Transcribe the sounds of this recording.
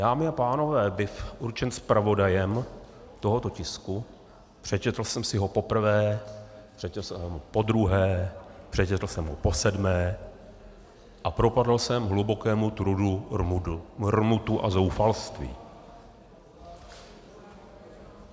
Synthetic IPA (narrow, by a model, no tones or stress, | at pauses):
d̥aːmɪapaːno̞vɛːbɪfʔuɾt͡ʃɛnspɾavo̞dajɛm | t̪oɦo̞t̪o̞cɪsku | pr̝̥ɛt͡ʃɛt̪l̩sɛmsɪɦo̞po̞pr̩vɛːpr̥ɛt͡ʃlsɛɛmopo̞d̪ɾuɦɛːpr̝̥ɛt͡ʃɛt̪l̩sɛmɦopo̞sɛdmɛː | ʔapɾo̞padl̩sɛmɦlubo̞kɛːmut̪ɾudu | rmut̪uʔa̰zo̞wfalst̪vḭː